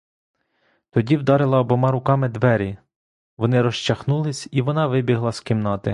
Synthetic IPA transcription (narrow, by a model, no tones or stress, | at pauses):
t̪ɔdʲiwd̪ɑɾɪlˠɐɔbɔmɑɾʊkɑmɪd̪ʋɛɾʲi | ʋɔnɪɾɔʃt͡ʃɐxnulˠɪsʲiʋɔnɑʋɪbʲiɦlˠɐskɪmnɑt̪ɪ